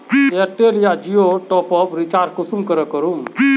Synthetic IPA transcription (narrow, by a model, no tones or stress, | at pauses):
eəʈːelijad͡ʒijoʈɔpɔpɾit͡ʃaːɾd͡ʒkusumkəɾəkəɾum